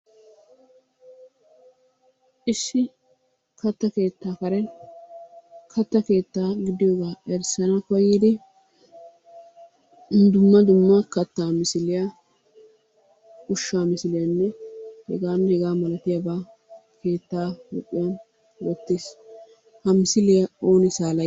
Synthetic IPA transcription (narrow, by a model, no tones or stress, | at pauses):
ʔɪsːɪ | kʰɐt̪ːɐke̞ːt̪ːaːkɐɾɛn | kʰɐt̪ːɐke̞ːt̪ːaːɡɪd̪ɪjoːɡaːɛɾsɐnɐkɔjiːd̪ɪ | nd̪ʊmːɐd̪ʊmːɐkɐt̪ːaːmɪsɪlɪjɐ | ʊʃːaːmɪsɪlɪjɐnːɛhɛ̰ɡaːnːhɛɡaːmɐlɐt̪ɪjabaː | ke̞ːt̪ːaːhʊ̰kʼːɪjɐn | wɔt̪ːeːs | hɐmɪsɪlɪjɐo̞ːnɪsaːlɐ